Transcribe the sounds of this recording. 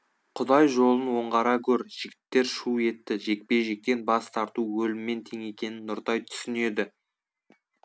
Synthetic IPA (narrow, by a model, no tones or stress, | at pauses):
qʰʊd̪ɑjʒo̞lˠənwo̞ɴʁɑɾɑkʲʰɵɾʒ̥ɪɡʲɪt̪ːe̞ɾʃue̞t̪ːɪʒe̞k̚pe̞ʒe̞k̚t̪e̞nbɑst̪ʰɑɾt̪uwɵlɪmːe̞nt̪ʰe̞ŋe̞kʲe̞nɪnːʊɾt̪ɑjt̪ʰʏ̥sɪne̞d̪ɪ